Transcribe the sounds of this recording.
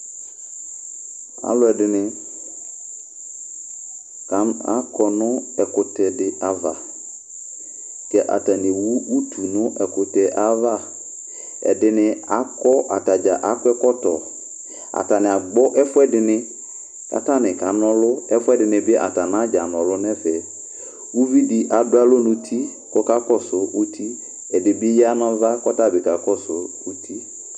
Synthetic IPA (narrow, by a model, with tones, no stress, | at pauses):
a̰˨˦lʊ˦ɛ˨dɪ˨nɪ˦ | ka˨˦a˦kʰɔ˨nʊ̃˦ɛ˨kʊ˨tɛ˨dɪ˨a˨va̰˨ | kɛ˦ʔa̰˨ta˨nɪ˨wu˦u˦tʰu˨nʊ̃˦ʔɛ˨kʊ˨tɛ˨ʔa˦va˦ | ɛ̰˨dɪ˦nɪ̃˦a˨kɔ˦ʔa˨ta˨d͡ʒa˨ʔa˦kʊ˦ɛ˦kɔ˦tɔ̰˨ | a̰˨ta˨nɪ˨a˨ɡ͡bɔ˦ʔɛ˦fʊ˦ɛ˦dɪ˨nɪ̃˦ | ka̰˨ta˦˨nɪ̃˨ka˨nɔ̃˦lʊ˦ɛ˦fɛ˦dɪ˨nɪ̃˨bɪ˦ʔa̰˨ta˨nã˦d͡ʒa˨nɔ̃˨lʊ˦nɛ˦fɛ˨ | wu˦vi˦di˨ʔa˨bʊ˦a˦lʊ˦nʊ̃˦tʰi˦ | kɔ˦ka˦kɔ˦sʊ˨ʔu˦tʰi˦ | ɛ˨dɪ˨bɪ˦ja˦nɔ̃˦va˦kɔ˦ta˦˨bɪ˨ka˨kɔ˦sʊ˨ | u˦tʰi˦